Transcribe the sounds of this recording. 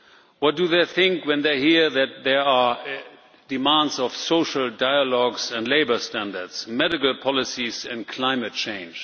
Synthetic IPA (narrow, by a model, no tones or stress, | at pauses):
wʌt̚d̥uðeɪθɪ̃ŋkwɛ̃nðeɪhiɹðæt̪̚ðɛ˞a | dɨmãndzɔv̥soʊʃl̩ˠdaɪəlɔɡzæ̃ndleɪbə˞stæ̃ndə˞dz̥mɛɾɪkl̩ˠpʰɔlɪsizɨ̃nkʰl̥ãɪ̃mɨt̚t͡ʃʰẽɪ̃nd͡ʒ